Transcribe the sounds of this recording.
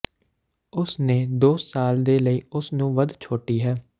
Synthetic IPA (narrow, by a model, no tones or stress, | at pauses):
ʊsneːd̪oːsaːld̪eːləiːʊsnũːʋəd̪t͡ʃʰoːʈiːɦɛː